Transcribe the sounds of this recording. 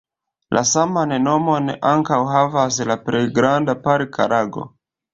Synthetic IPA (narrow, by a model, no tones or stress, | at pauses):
lʔa̰samaneno̞mo̞neʔaŋkawɦavaslapɾe̞jɡɾandapaɾka̰ɾaɡo̞̰